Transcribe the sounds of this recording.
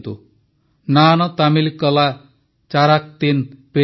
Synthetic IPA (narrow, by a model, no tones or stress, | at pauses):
t̪u | nanɔt̪amilkɔla | t͡ʃaɾak̚t̪inpe